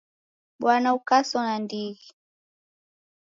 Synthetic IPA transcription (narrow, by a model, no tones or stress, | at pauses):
ɓwanaukasɔnandiɣi